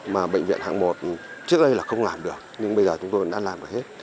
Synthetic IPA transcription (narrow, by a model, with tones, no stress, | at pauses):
maː˨˩ɓə̰˧˨jŋ̟vḭ˧˨ənha̰˧˨ŋmo˨˩t̚t͡ɕɨ˦˥ək̚ɗə˧jlaː˨˩xə˧wŋ͡mlaː˨˩mɗɨ˨˩ək̚ɲɨ˧ŋɓə˧jzəː˨˩t͡ɕʊ˨˦ŋ͡mt̪o˧jɗa̰ː˧˥laː˨˩mɨ˨˩he˦˥t̚